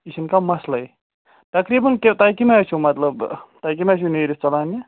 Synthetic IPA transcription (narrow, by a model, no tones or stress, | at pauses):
isʰinkamɐslɐi | t̪ɐkɾiːbɐnket̪akimat͡ʃʰumɐt̪lɐbt̪ak̬imet͡ʃʰuneːɾist͡ʃɐlaːni